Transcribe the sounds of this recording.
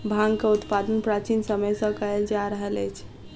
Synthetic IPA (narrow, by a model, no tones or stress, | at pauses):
bʱãŋɡkeut̪pad̪ənpɾat͡ʃinsəməjsə̃kəjld͡ʒaɾəɦələjt͡ʃʰ